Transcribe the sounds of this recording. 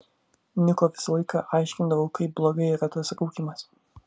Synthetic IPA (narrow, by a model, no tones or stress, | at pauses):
nʲɪkoʋʲɪsɐlˠɐɪkɑ̰ʔɑɪʃʲkʲɪnd̪ɐʋɐʊkɐɪp̚blˠoːɡɐɪiɾɐt̪ɐsɾɐʊkʲɪmɐs